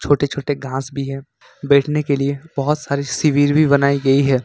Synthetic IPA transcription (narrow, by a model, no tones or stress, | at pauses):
t͡ʃʰoːʈet͡ʃʰoːʈeɡʱãːsbʱiɦɛ | bɛːʈʰnekeliebɔɦʊt̪saːɾisɪʋiːɾbʱibɐnaːiɡɐiɦɛː